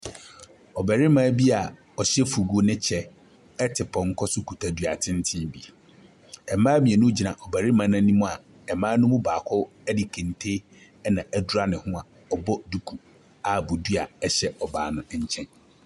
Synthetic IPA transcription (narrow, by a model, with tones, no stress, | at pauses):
ɔ˨bæ˨ɾɪ˦mã˦bi˦a˨ | ɔ˨ɕɛ˦fu˨ɡo˦nɪ̃˦t͡ɕʰɛ˦ | ɛ˦tʰɪ˨pʰɔ̃˨ŋ̩˦kʰɔ˦sʊ˦kʰu˨tʰa˨dɥa˨tʰɪ̃˦n̩˦tʰɪ̃˦bi˨ | ɛ˨mãː˦mĩ˨e˨nũ˦d͡ʑi˨nã˨ʔɔ˨bæ˨ɾɪ˦mã˨˦nã˦nĩ˦mũ˦a˨ | ɛ˨mãː˦nʊ̃˦mũ˦baː˨kʰɔ˦ | ɛ˦di˨kʰɛ̃˨n˨tʰe˦ | ɛ˦nã˨ʔɛ˨du˦ɾa˦nɪ̃˨hʊ̃˦a˨ | ɔ˨bɔ˦du˨kʰu˨ | a˨bʊ˨du˦a˨ɛ˦ɕɛ˦ɔ˨ba̰ː˨˦nʊ̃˦˨˦ɲ̩˨t͡ɕʰɛ̃˦n